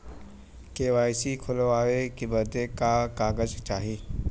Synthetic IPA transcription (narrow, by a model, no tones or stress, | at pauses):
keːʋaːjsikʰʊloaːʋekibəd̪ekakaːɡəzt͡ʃaːɦiː